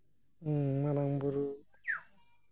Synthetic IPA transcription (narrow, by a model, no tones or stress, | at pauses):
maɾaŋbuɾu | u̥